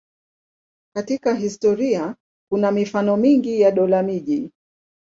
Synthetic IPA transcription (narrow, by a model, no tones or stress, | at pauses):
katikaɦistɔɾia | kunamifanɔmiŋɡijaɗɔlamiʄi